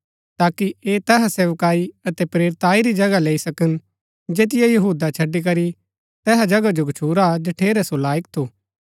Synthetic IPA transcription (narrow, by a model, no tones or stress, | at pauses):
t̪aːkieːt̪ɛːɦaseːʋkaːiɐt̪ɛpɾeːɾt̪aːiɾid͡ʒɐɡaleːisɐkən | d͡ʒeːt̪ɪjajɐɦuːd̪at͡ʃʰɐɖːik̬ɐɾi | t̪ɛːɦad͡ʒɐɡad͡ʒoɡɐt͡ʃʰuːɾad͡ʒɐʈʰeːɾɛsolaːjək̚t̪ʰoː